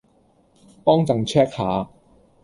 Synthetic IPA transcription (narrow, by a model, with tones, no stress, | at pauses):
pɔː˥ŋt͡sɐ˨ŋt͡ʃʰɛː˥k̚haː˨˧